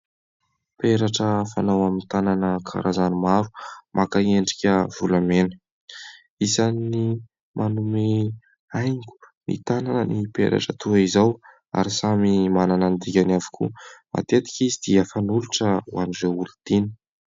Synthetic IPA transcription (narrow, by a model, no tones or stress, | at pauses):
peɾaʈ͡ʂəfanawamint̪ananəkʰa̰ɾʔazanimaɾu̥mʔakaeɳɖ͡ʐi̥kʲəv̥ulamenə̥ | isanːi | mʔanume | ajŋkʲu̥ | nḭt̪ananənipḛɾa̰ʈ͡ʂət̪ʰuaizaw | a̰ɾisamimananand̪ikʲanavi̥kʰṵma̰t̪et̪i̥kʲizid̪̥iəfanuluʈ͡ʂəuanizeulut̪ini̥